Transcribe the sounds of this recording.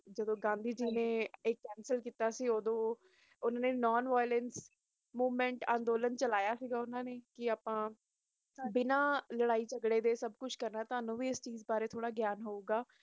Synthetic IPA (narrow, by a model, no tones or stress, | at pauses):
d͡ʒəd̪õːɡãːnd̪iːd͡ʒiːnẽːɪkːɛːnsəlkiːt̪aːsiːoːd̪õː | ʊnãːneːnɔːnʋaːjlɛns | muːʋmɛ̃ːɳʈã̰ːnd̪oːlənt͡ʃəlaːjaːsiːɡaːʊnãːneːkɪaːpãː | bɪnãːləɽaːiːt͡ʃəɡɽeːd̪eːsəbkʊt͡ʃʰkəɾnaːt̪aːnũːʋiːɪst͡ʃiːzbaːɾeːt̪ʰoːɽaːɡjaːnɦoːuːɡaː